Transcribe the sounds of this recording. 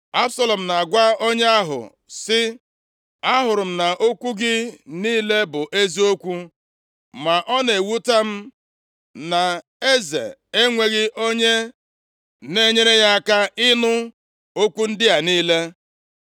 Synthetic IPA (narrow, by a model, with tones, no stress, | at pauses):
a˦bsa˦lɔ˨m̩˨na˨ɡʷa˦o˦ɲe˦a˦ɦʊ̰˨ | sɪ˦ | a˦ɦʊ˨ɾʊ˨m̩˨na˨ʔo˦kʷu˦ɡɪ˦niː˦le˦bʊ˨ʔe˦zi˦o˦kʷu˦ | ma˨ʔɔ˦ne˨wu˦ta˦m̩˦ | na˨ | e˦zḛ˨e˦ŋʷe˨ɣɪ˦ʔo˦ɲe˦ | ne˦ɲe˦ɾe˦ja˦˨ka˦ɪ˦nʊ˦ | o˦kʷu˦n̩˦dɪ˦a˨niː˦le˦